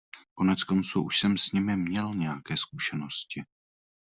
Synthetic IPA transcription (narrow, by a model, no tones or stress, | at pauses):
ko̞nɛt͡sko̞nt͡suʔuʃsɛmsɲɪmɪmɲɛlɲɛjakɛːskuʃɛno̞scɪ